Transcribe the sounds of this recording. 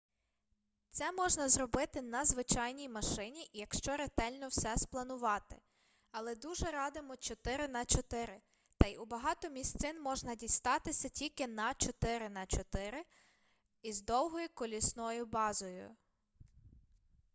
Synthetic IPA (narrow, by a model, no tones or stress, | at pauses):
t̪sɛmɔʒnɐzrɔbɪt̪ɪnɐzʋɪt͡ʃɑjnʲijmɐʃɪnʲiʔjɐkʃt͡ʃɔɾet̪ɛlʲnɔwsɛsplˠɐnʊʋɑt̪ɪ | ɐlˠɛd̪uʒɛɾɑd̪ɪmɔt͡ʃɔt̪ɪɾɪnɐt͡ʃɔt̪ɪɾɪ | t̪ɐjʊbɐɦɑt̪ɔmʲisʲt̪sɪnmɔʒnɐdʲijst̪ɑt̪ɪsʲɐtʲilʲkɪnɐt͡ʃɔt̪ɪɾɪnɐt͡ʃɔt̪ɪɾɪ | izd̪ɔwɦɔjʊkɔlʲisnɔjʊbɑzɔjʊ̰